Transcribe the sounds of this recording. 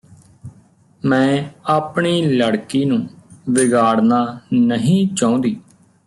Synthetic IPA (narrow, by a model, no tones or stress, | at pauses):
mɛ̃ːaːpɳiːləɽkiːnũːʋɪɡaːɽnaːnəɦĩːt͡ʃaːõːnd̪iː